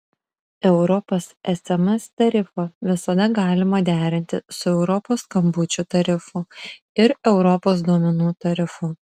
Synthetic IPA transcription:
ɛʊɾɔpɐsɛsʲɛmɐst̪ɐɾʲɪfɐʋʲɪsɐd̪ɐɡɑːlʲɪmɐd̪ʲæːɾʲɪnʲt̪ʲɪsʊɛʊɾɔpoːskɐmbʊt͡ʃʲʊt̪ɐɾʲɪfʊ | ɪɾɛʊɾɔpoːs̬d̪uɔmʲɛnuːt̪ɐɾʲɪfʊ

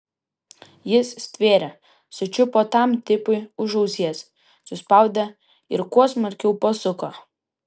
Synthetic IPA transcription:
jɪssʲt̪ʲʋʲeːɾʲɛ | sʊt͡ʃʲʊpoːt̪ɑˑmt̪ʲɪpʊɪʊʒɐʊsʲiɛs | sʊspɑˑʊd̪ʲɛ | ɪɾkuɔsmɐɾʲkʲɛʊpɐsʊkoː

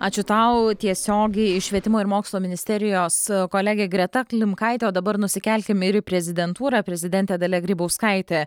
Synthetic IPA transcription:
ɑːt͡ʃʲʊt̪ɐʊt̪ʲiɛsʲoːɡʲɛɪɪʃʲʋʲiɛt̪ʲɪmoːɪɾmoːkslˠoːmʲɪnʲɪsʲt̪ʲɛɾʲɪjoːskoːlʲæɡʲeːɡɾʲɛt̪ɐklʲɪmkɐɪt̪ʲeːoːd̪ɐbɐɾnʊsʲɪkʲɛlʲkʲɪmɪɾpʲɾʲɛzʲɪd̪ʲɛnt̪uːɾɐpʲɾʲɛzʲɪd̪ʲɛnʲt̪ʲeːd̪ɐlʲɛɡɾʲiːbɐʊskɐɪt̪ʲe

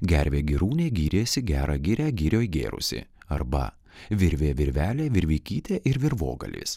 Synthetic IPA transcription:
ɡʲæɾʲʋʲeːɡʲɪɾuːnʲeːɡʲiːɾʲeːsʲɪɡʲæːɾʔɐɡʲɪɾʲæːɡʲiːɾʲoːiɡʲḛːɾʊ̰sʲɪ̰ɐɾbɐ̰ | ʋʲɪɾʲʋʲeːʋʲɪɾʲʋʲæːlʲeːʋʲɪɾʲʋʲiːkʲiːt̪ʲeːʔɪɾʋʲɪɾʋo̰ːɡɐ̰lʲḭːs

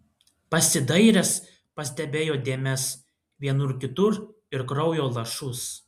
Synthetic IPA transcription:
pɐsʲɪd̪ɐɪɾʲɛs | pɐsʲd̪ʲɛbʲeːjoːd̪ʲeːmʲɛs | ʋʲiɛnʊɾkʲɪt̪ʊɾ | ɪɾkɾɒʊjoːlˠɐʃʊs

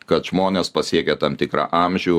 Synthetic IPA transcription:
kɐt̪ʒ̥moːnʲeːspɐsʲiɛkʲɛt̪ɐmt̪ʲɪkɾɑ̰ːʔɑmʲʒʲʊʊ

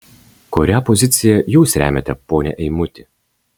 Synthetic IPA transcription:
kɔɾʲæpɔzʲɪt̪sʲɪjɛjuːsɾʲæ̰ːmʲɛt̪ʲɛpoːnʲɛ̰ʔɛɪmʊt̪ʲɪ

